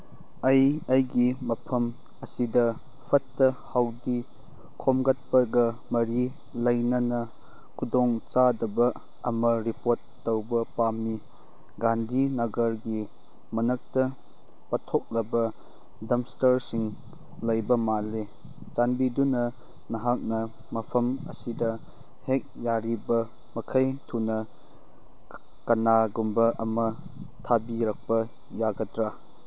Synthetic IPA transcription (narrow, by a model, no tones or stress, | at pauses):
ɐjɐjɡimɐpʰɐm | ɐsidɐ | pʰɐtːɐhawdi | kʰɔmɡɐt̚pɐɡɐmɐɾi | lɐjnɐnɐ | kʰudɔŋt͡ʃadɐbɐ | ɐmɐɾipoɾtːowbɐpami | ɡandinɐɡɐɾɡi | mɐnɐk̚tɐ | pɐtʰɔk̚lɐbɐ | dɐmstɐɾsiŋ | lɐjbɐmale | t͡ʃanbidunɐ | nɐɦak̚nɐ | mɐpʰɐmɐ̰sidɐ | hek̚jaɾibɐ | mɐkʰɐjtʰunɐ | kɐnaɡumbɐʔɐmɐ | tʰabiɾak̚pɐ | jaɡɐtɾa